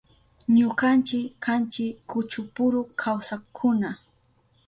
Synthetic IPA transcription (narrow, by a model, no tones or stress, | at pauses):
ɲʊkant͡ʃɪkːant͡ʃɪkːʊt͡ʃʊpʊɾʊkʰawsakʰʊna